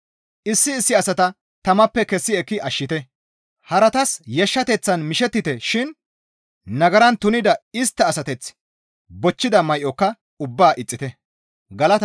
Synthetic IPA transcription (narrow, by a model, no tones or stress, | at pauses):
ʔɪsːɪːsːɪɐsɐt̪ɐ | t̪ɐmɐpːɛkɛsːɪɛkːɪʔɐʃːɪt̪ɛ | hɐɾɐt̪ɐsjɛʃːɐt̪ɛt͡sːɐnmɪʃɛt̪ːɪt̪ɛʃɪn | nɐɡɐɾɐnt̪ʊnɪd̪ɐɪst̪ːɐːsɐt̪ɛt͡s | bɔt͡ʃːɪd̪ɐmɐjʔɔkːɐ | ʊbːaːʔɪt͡sʼːɪt̪ɛ | ɡɐlɐt̪